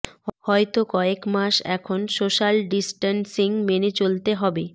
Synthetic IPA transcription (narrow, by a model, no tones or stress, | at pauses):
hɔet̪okɔekmaʃɛ̰kʰonsoʃalɖisʈansiŋmenet͡ɕolt̪eɦɔbe